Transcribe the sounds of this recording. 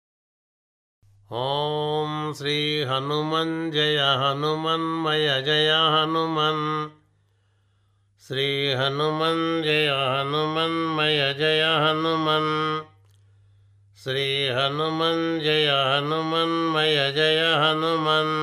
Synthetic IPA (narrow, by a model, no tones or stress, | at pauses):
ɦoːmsɾiːɦɐnumɐnd͡ʒɐjɐɦɐnumɐnmɐjɐd͡ʒɐjaɦɐnumɐn | sɾiːɦɐnumɐnd͡ʒɐjaɦɐnumɐnmɐjɐd͡ʒɐjaɦɐnumɐn | sɾiːɦɐnumɐnd͡ʒɐjaɦɐnumɐnmɐjɐd͡ʒɐjaɦɐnumɐn